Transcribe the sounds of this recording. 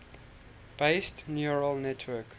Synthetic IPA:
b̥eɪstnjuɹəlnɛtʰwɜk

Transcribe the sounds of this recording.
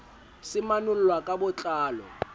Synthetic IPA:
sɪmanʊlʊlwakʼabʊt͡ɬʼaːlɔ̰

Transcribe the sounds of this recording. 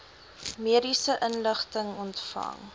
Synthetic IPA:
miəɾisəʔənləχtəŋɔntfɐ̰ŋ

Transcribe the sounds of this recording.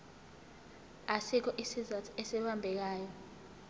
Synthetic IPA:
asik̬ʰɔʔisizatʰɔ̥ɛsɛɓambʱɛk̬aːjɔ

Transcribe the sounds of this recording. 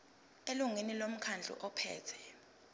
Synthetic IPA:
eluŋinilom̩kʰand͡ɮʱṵʔɔpʰɛ̰ːtʰɛ̥

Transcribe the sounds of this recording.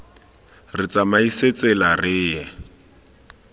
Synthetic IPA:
rɪt͡sʼamaiset͡sɛlarɪːjɛ

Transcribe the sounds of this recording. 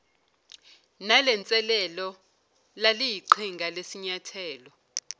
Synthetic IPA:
nalɛnt͡sʼɛlɛlɔ | lalijiǃʰiŋɡʱalesiɲatʰɛːlɔ

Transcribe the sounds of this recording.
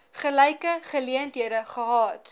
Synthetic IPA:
χəlɛjkəχəliəntɦiədəχəɦɑːt

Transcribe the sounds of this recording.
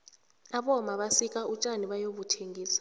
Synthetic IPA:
aɓɔmaɓasikʼaʔut͡ʃʼaniɓajoɓutʰeŋɡʱiːsḁ

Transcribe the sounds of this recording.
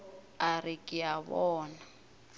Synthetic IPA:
arikʼɪjaβɔːna

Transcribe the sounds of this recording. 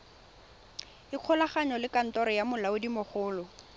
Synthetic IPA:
ɪq͡χʰɔlaχaɲɔlɪkan̩tɔɾɔjamʊlaʊdimʊχʰʊːlɔ

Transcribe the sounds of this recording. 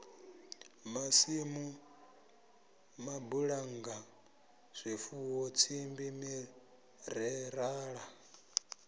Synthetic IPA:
masimu | mabuɺaŋɡa | z̥ʷifuwɔt͡sʰimbimi | ɾɛɾaːɺa

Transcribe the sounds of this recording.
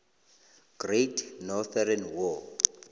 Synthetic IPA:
ɡ̥retʰnɔθɛɾɛnwɔ

